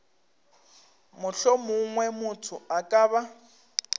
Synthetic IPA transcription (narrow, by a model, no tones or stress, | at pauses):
mʊɬɔmʊŋwɛmʊtʰʊakʼaːβa